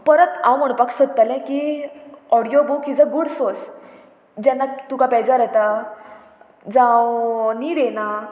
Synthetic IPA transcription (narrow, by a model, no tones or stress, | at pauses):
pəɾət̪ã̰wm̤əɽ̃pakʂot̪̚t̪alɛ̃ki | ɔɽijobukid͡zəɡuɽsos | d͡ʑɛnːat̪ukapɛd͡ʑaɾɛt̪a | d͡zãwniːɾena